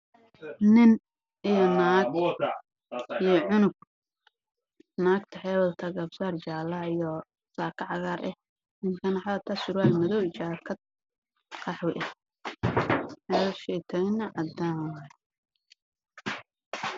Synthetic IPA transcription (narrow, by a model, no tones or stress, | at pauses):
nɪn | ʔijɔnaːɡ | ijɔʕʊnʊɡ̚ | naːɡt̪ʰɐħɛːwɐlt̪ʰɐɡɐbsart͡ʃaːlɐijɔ | saːkʰɐʕɑɣaːɾʔɛ̰ | nɪnkʰɐnɐħɑðɐt̪ʰɐsʊɾaːlmɐðɔwt͡ʃaːkʰɐd̪ | qʰɑħwɪʔɛ | ħɛːwɐʃɛːt̪ʰɐnɐʕɑd̪aːn